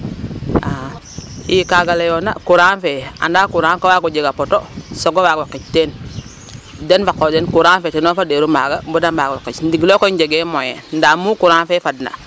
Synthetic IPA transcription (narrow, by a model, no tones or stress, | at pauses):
a | jikaɡalejona̰kuɾanfea̰ndakuɾaːŋkowaɡod͡ʒeɡapotosoɡowaɡwakːit͡ʃten | denfakːodenkuɾanfetenofadeɾumaɡabudambaɡwakːit͡ʃndiɡlokoiɲd͡ʒeɡemojḛndamukuɾanfefadna̰